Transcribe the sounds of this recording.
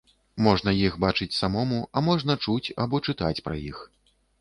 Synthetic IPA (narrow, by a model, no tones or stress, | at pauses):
mɔʐn̪ɐjixbat͡ʂɨt͡sʲsamɔmuɐmɔʐn̪ɐt͡ʂut͡sʲabɔt͡ʂɨt̪a̰t͡sʲpɾɐ̰jḭx